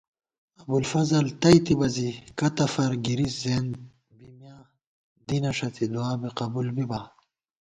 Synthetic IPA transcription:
ɐbulfɐzɐlt̪ɐjt̪ibɐzikɐt̪ɐfɐɾɡiɾiszeːn | bimjaː | d̪inɐʂɐt̪ʰid̪uaːbiqɐbulbiba

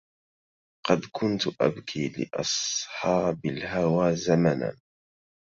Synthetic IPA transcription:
qɑd̪kʰʊnt̪ʊʔa̰bkʰiːlɪ̰ʔɑ̰sˤħɑːbalɦawaːzamana̰n

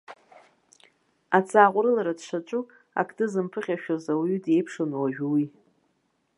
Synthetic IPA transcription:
at͡sʰʼaːqʷʼɾɨlaɾadʂat͡ʃʷʼu | a̰kʰdʰʼɨzɨmpʰɨχʲaʃᶣozawydʼe̞jpʰʂonwaʒᶣwi

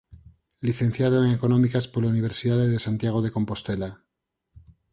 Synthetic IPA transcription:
liθẽ̞n̟θjað̞oeŋeko̞nõ̞mikaspoɾlauniβ̞e̞ɾsiðaðeðesant̪jaɣ̞o̞ð̞e̞ko̞mpo̞st̪e̞la

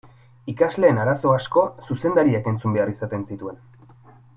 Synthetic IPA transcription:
ikazle̞ːnaɾaso̞asko̞suse̞nd̪aɾiake̞nt͡sumbe̞aɾisat̪e̞nsit̪ue̞n

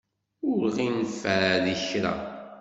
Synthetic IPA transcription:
ʊɾʁinfːæðiçɾa̰

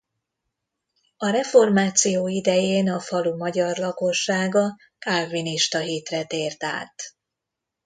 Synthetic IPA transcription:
ɒɾɛfo̞rmaːt̪sijoːid̪ɛjeːnɒfɒlumɒɟɒrlɒko̞ʃːaːɡɒ | kalvːiniʃt̪ɒɦiːt̪rɛt̪eːrt̪a̰ːt̪

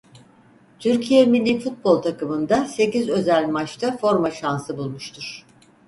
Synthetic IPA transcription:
t̪ʰyɾcʰijemilʲːifut̪̚bo̞lˠt̪ʰakɯmɯnd̪ase̞cizø̞zælʲmat͡ʃt̪ʰafo̞ɾmaʃansɯbulˠmuʃt̪ʰuɾ̝̥

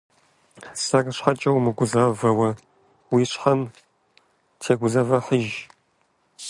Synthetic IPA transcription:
sɐrɕħat͡ʃʼɐwmɨɡʷʊzaːvɐwɐ | wiːɕħɐm | tʰeːɡʷʊzɐvɐħəʒ

